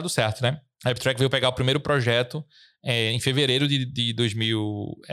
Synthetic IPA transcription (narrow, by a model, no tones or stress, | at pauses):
d̪ʊsɛɾt̪ʊnɛ | ɛbit̪ɾɛkvejwpeɡaʊpɾimejɾʊpɾɔʒɛt̪ʊ | ɛẽj̃feveɾejɾʊd̪ɪd̪ɪd̪ojzmiww